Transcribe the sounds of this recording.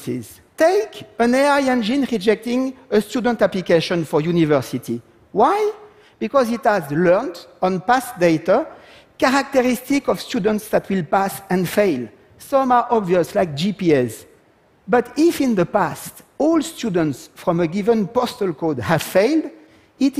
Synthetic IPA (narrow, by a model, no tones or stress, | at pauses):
sḭz | teɪkə̃nɛiɛ̃nd͡ʒĩnɹid͡ʒɛk̚tɪ̃ŋəstud̃n̩taplikeʃɔ̃nfɔ˞junivɜ˞siti | waj | b̥ikɔzithæzlɜ˞ntɔ̃npasdeɪta | kaɹak̚təɹistikɔfstudə̃n̩tsðætʰwilpasɛ̃nfeɪl | sɔ̃ma˞ʔɔbviəslaɪk̚d͡ʒipiɛs | bʌtifĩnðəpastɔlstʰudə̃ntsfɹɔ̃məɡivə̃npɔstəlkodhæv̥feɪld | it